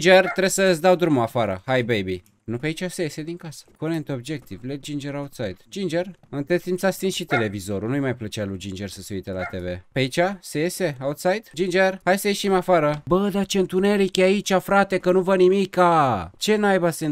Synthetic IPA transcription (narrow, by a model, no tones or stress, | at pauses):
d͡ʒert̪ɾesəsd̪awd̪ɾumoafaɾə̰hajbejbi | nupeait͡ʃasejese̞d̪iŋkasə̥konent̪o̞bd͡ʒek̚t̪ivled͡ʒind͡ʒeɾawt̪sajd̪d͡ʒind͡ʒerɨnt̪et̪simpsast̪insʃit̪e̞le̞vizo̞ɾunujmajplət͡ʃealud͡ʒind͡ʒe̞rsəse̞uijt̪ela̰t̪e̞ve̞̰peait͡ʃasejese̞aut̪sajd̪d͡ʒind͡ʒerhajsəjeʃimafaɾəbəd̪at͡ʃe̞ɨnt̪une̞ɾikʲeait͡ʃʲafɾat̪e̞kənuvənimikat͡ʃe̞najbase